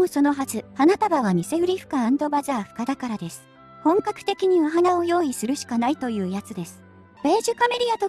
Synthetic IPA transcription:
oso̞no̞ɦazɨanat̪abaβamʲise̞ɯ̟ɾʲiɸɯ̟̥kãːnd̪o̞bazaːɸɯ̟̥kad̪akaɾad̪e̞sɨ̥ | hõ̞ŋkakɯ̟̥t̪e̞kʲiɲ̟iβaɦanao̞jo̞ːisɨɾɯ̟ɕi̥kanait̪o̞jɯ̟ːjat͡sɨd̪e̞sɨ̥ | b̥e̞ːʑɨkame̞ɾʲiat̪o

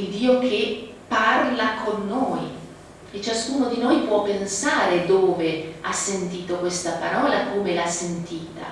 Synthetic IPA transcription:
id̪iːok̟ʰe | pːarlakʰonːoːj | et͡ʃaskuːnod̪inojpwɔpːensaːɾed̪oːveasːent̪iːt̪okwest̪apaɾɔːlakoːmelasːent̪iːt̪a̰

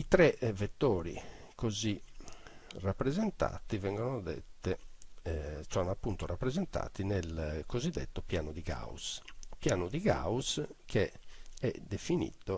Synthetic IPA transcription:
it̪ɾɛvet̪ːoːɾḭkozi | rapːɾɛzɛnt̪a̰ːt̪ivɛŋɡɔnod̪ɛ̰t̪ːɛ | sɔnapːunt̪oɾapːɾɛzɛnt̪a̰ːt̪inɛlkozid̪ːɛ̰t̪ːopjaːnod̪iɣa̰ːṵspjaːnud̪iɣa̰ːuskʰeɛ̰d̪efinḭt̪ːo

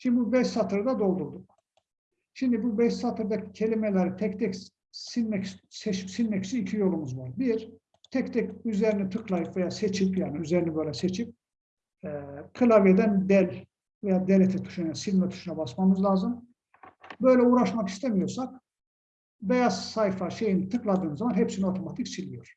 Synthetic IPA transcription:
ʃimd̪bubɛʃsat̪ʰɯɾd̪ad̪o̞lˠd̪uɾd̪uk̚ | ʃimd̪ibubɛʃsat̪ʰɯɾd̪acʰe̞lʲimelʲɛɾit̪ʰɛc̚t̪ʰɛc | sinmɛcsset͡ʃʰi̥psinmɛcy̥syicʰijo̞lˠumuzvaɾbiɾ | t̪ʰɛct̪ʰɛcyze̞ɾinit̪ʰɯklˠajɯpve̞jaːset͡ʃʰipjaːniyze̞ɾinɛbø̞jlʲɛse̞t͡ʃʰip̚ | ɛkʰɯlˠavjed̪ænd̪ɛlʲ | vejaːd̪elʲet̪ʰɛt̪ʰu̥ʃunajasilʲmɛt̪ʰu̥ʃunabasmamɯzlʲˠaːzɯm | bø̞jlʲɛuːɾaʃmaki̥st̪ʰemijo̞ɾsak̚ | be̞jaz̥sajfaʃe̞jinit̪ʰɯklˠad̪ɯːnzamanɦɛpsinio̞t̪ʰo̞mat̪ʰicsʰilʲijo̞ɾ̥

